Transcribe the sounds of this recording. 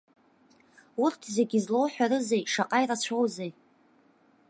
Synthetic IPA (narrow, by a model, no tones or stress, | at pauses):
urtʰze̞ɡʲizlowħʷᶣaɾɨzejʂaqʼajɾat͡ɕʷʰowzej